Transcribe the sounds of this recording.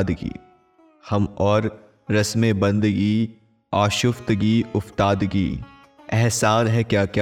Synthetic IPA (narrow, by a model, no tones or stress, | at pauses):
d̪ɡḭː | hɐmɔːɾː | ɐsmẽbɐ̃nd̪ɡi | aːʃʊft̪ɡiʊft̪aːd̪ɡḭː | ɛɦsaːnɦɛkjaːkja